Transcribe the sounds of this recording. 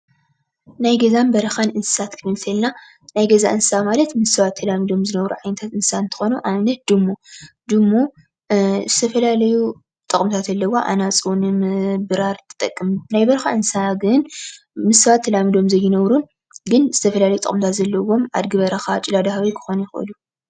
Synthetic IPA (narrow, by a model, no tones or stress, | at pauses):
najɡɐzambɐɾɐxanʔɨnsɨ̥sat̪kʰɨnɨt̪ʰɐlna | najɡɐza̰ʔɨnsamalɐt̪mɨsɨβat̪ʰːɐlamɨd̪o̞mzɨnɐβɾuʕajnɐt̪ʰat̪ɨnssaɨnt̪ʰɨ̥xo̞nuʔamnɐt̪̚d̪ɨmːo | d̪ɨmːo | zɨt̪ʰɐfɐlalɐju | t̪ʼɨχʼmt̪ʰat̪ɐlːɐwoʔa̰nat͡sʼonɨmɨbɨɾaɾt̪ʰɨ̥t̪ʼɐkʼːɨmnajbɐɾxaʔɨnsaɡɨn | mɨsɨβat̪ʰːɐlamɨd̪o̞mzɐjːɪnɐβɾun | ɡɨnz̥ɨt̪ʰɐfɐlalɐjut̪ʼkʼɨmt̪ʰat̪zɐlːɐwo̞ma̰d̪ɡɨβɐɾɐxat͡ʃʼɪlad̪ahawikʰɨ̥xonjɪxʔɨ̰lu